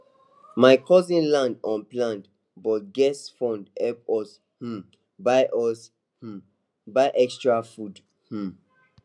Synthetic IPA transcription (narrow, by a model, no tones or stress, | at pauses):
maɪkʰɔzĩnlãndɔ̃nplãnd | bɔt̚ɡɛsfɔ̃ndɛp̚ɔs | h̩ | baʔɔs | h̩ | baɪʔɛkstɹafud | h̩